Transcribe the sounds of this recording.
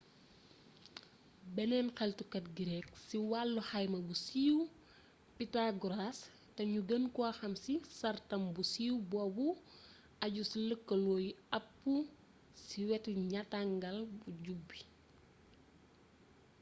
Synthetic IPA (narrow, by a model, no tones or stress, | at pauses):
bɛnɛnxɛltukɐt̚ɡiɾɛk̚siwalːuhɐjmɐbusiːw | pitaɡuɾas | tɐɲuɡənkaxɐmsisɐrtɐmbusiːwbɔːbu | ɐɟusiləkːɐlɔːjiɐpːu | siwɛtuɲɐtaŋɡɐlbuɟubːi